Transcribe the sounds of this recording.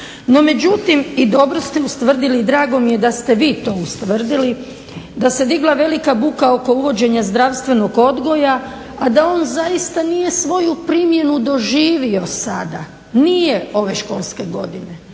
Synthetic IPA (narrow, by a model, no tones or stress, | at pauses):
no̞me̞d͡ʑut̪imid̪o̞bɾost̪eust̪ʋr̩d̪ilid̪ɾaːɡo̞mije̞d̪ast̪e̞ʋiːt̪o̞ust̪ʋr̩d̪ili | d̪ase̞d̪iɡlˠaʋe̞likabukao̞ko̞uʋo̞d͡ʑe̞ɲazd̪ɾaʋst̪ʋe̞noɡo̞d̪ɡo̞ja | ad̪ao̞ːnzajist̪anije̞sʋo̞jupɾimje̞nud̪o̞ʒiːʋio̞sad̪a̰ | nijeo̞ʋe̞ʃko̞lˠske̞ɡo̞d̪ine̞